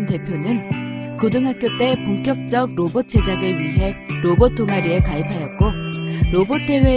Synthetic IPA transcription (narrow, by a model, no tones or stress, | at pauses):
nte̞pʰjonɯnkodɯŋɦak͈jot͈e̞poŋk͈jʌk̚t͡ɕ͈ʌɡ̚ɾobot͡ɕʰe̞d͡ʑaɡeɥiɦe̞ɾobot͈ːoŋaɾiekaipʰajʌt̚k͈oɾobot͈ʰe̞we̞